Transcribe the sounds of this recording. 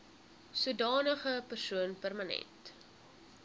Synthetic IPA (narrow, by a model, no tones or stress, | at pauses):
suədɑːnəχəpərsuənpærmanɛ̰nt